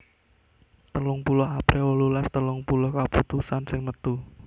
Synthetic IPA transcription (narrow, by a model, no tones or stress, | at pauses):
t̪əlʊŋpulʊɦapɾʔewɔlulast̪əlʊŋpulʊhkaput̪usansɪŋmət̪u